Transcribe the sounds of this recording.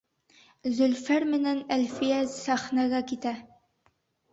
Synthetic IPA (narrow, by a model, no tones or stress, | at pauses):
zɵlfæɾmɘ̆nænælfijæzsæχnaɡɑkit̪æ